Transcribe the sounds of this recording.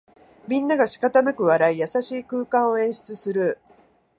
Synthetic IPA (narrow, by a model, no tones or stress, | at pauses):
mʲĩnːaɡaɕi̥kat̪anakɯ̟βaɾaijasaɕiːkɯ̟ːkãɰ̃o̞ẽ̞ɰ̃ɕi̥t͡sɨsɨɾɯ̟